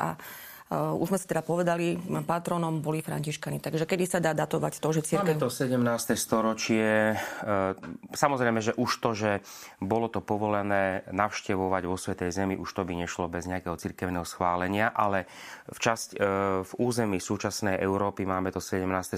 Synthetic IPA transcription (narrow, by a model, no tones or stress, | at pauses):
ʔa̰ | ṵʒzmɛsi̥t̪ɛd̪apɔʋɛd̪alipat̪ɾɔnɔmbɔlifɾa̰ɲciʃkanit̪aɡʒɛkɛd̪isad̪aːd̪at̪ɔʋa̰ct̪ɔʒɛt͡siɾamɛt̪ɔsɛɟɛmnaːst̪ɛst̪ɔɾɔt͡ʃɪɛ | samɔzɾɛɪmɛʒɛʔuʃt̪ɔʒɛ | bɔlɔt̪ɔpɔʋɔlɛnɛːnaʊʃcɛʋɔʋaɟʋɔsʋɛt̪ɛjzɛmiʔuʃt̪ɔbiɲɛʃlɔbɛzɲɛakɛɦɔt͡siɾkɛʊnɛɦɔsxʋaːlɛɲɪaʔalɛ | ft͡ʃascvuːzɛmiːsuːt͡ʃasnɛjʔɛʊɾɔːpimaːmɛt̪ɔsɛɟɛmnaːst̪ɛ